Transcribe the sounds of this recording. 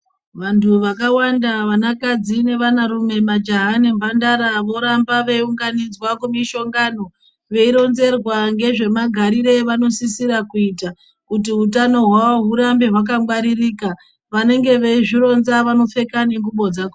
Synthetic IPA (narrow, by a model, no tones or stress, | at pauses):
ʋantʰuʋakawandaʋanakad͡zine̞ʋanaɾume̞mad͡ʒaɦane̞mbandaɾaʋo̞ɾambaʋe̞iuŋɡanid͡zwakumiʃo̞ŋɡano̞ | ʋe̞iɾo̞nze̞rwaŋɡe̞ʐe̞maɡʱaɾiɾe̞ʋano̞sisiɾakuita | kut̬iɦutano̞ɦwaʋoɦuɾambe̞ɦwak̬amwaɾirika | ʋane̞ŋɡe̞ʋe̞iʐiɾo̞nzaʋano̞fe̞kaneŋɡuɓo̞d͡zak